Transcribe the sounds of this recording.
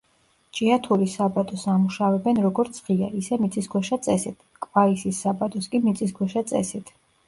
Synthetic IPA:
t͡ʃʼiat̪ʰuɾisabat̪ʼɔsamuʃavɛbɛnɾɔɡɔɾt̪sʰʁiaisɛmit̪sʼisɡwɛʃat̪sʼɛsit̪ʰkʼvaisisːabat̪ʼɔskʼimit̪sʼis̬ɡwɛʃat̪sʼɛ̰sit̪ʰ

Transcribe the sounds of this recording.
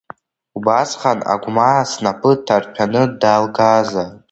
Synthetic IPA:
ubasχana̰ɡʷmasnapʰɨtʰarpʲᶣʰanɨdalɡaza

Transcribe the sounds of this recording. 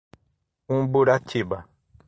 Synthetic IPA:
ũbuɾat͡ʃiba

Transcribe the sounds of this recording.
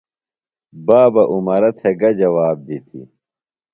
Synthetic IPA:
baːbɐʔumɐɾɐt̪ʰeɡɐd͡ʑɐwaːb̚d̪it̪ʰḭ

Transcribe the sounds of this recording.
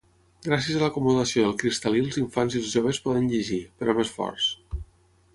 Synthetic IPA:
ɡɾasiəzələkumuðəsioðəlˠkɾist̪əlilˠziɱfanzilzʒoβ̞əspɔðənʎeʒipəɾɔmesfɔ̰ɾs

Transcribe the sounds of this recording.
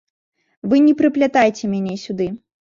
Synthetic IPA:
vɨnʲɛpɾɨplʲat̪ajt͡sʲɛmʲanʲesʲud̪ɨ

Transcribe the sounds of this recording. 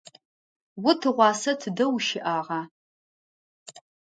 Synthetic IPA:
wʊtʰɨʁʷɑːsɐtʰɨdɐwʃɪʔaːʁɑː

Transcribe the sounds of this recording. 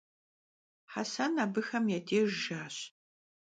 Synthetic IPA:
ħasɐnaːbɨxɐmjɛdʰeːʒʒaːɕ

